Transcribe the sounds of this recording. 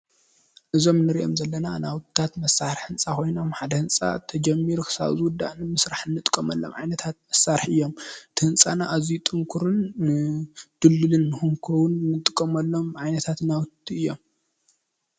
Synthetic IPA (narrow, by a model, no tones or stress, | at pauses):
ʔɨzo̞mnɨɾiʔo̞̰mzɐlːɐnanawt̪ʰt̪ʰat̪mɐsaɾħɨnt͡sʼakʰo̞jnomħad̪ɐhɨnt͡sʼa̰t̪ʰɐd͡ʒɐmːiɾukʰɨ̥sa̰βzɨwʊd̪ːa̰ʔnɨmɨsɾaħɨnːɨt̪ʼɨ̥kʼːɐmɐ̰lːo̞̰mʕajnɐt̪ʰat̪̚mɐsːaɾħʔɨjːo̞mɨt̪ʰɨhɨnt͡sʼanaʔazijut̪ʼɨŋkʰuɾɨn | d̪̥ɨlːɨlɨnːɨhuŋkʰɐwʊnnːɨt̪ʼɨkʼːɐmɐlːo̞mʕajnɐt̪ʰat̪nawt̪ʰːiɨjːo̞m